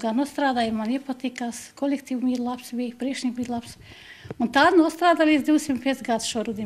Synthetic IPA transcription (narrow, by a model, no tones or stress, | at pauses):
ɡanuɔst̪ɾaːd̪aːjmanipat̪ikaskɔlʲekt̪iːʋumiɾlˠapsbʲijpɾiɛkʃnʲikbʲiːlˠaps | unt̪aːd̪nuɔst̪ɾaːd̪aːlʲiːd̪zd̪ʲiw̪ʲsʲimt̪pʲiɛsʲɡad̪sʃuɔɾud̪ʲi